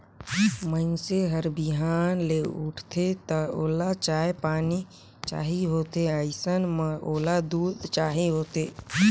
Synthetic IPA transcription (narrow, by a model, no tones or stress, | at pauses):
mənseɦəɾbiɦaːnleʊ̰ʈʰt̪ʰet̪əoːlat͡ʃaːjpaːni | t͡ʃa̰ːɦiɦoːt̪eəɪsənmoːlad̪uːd̪t͡ʃaːɦiɦoːt̪eː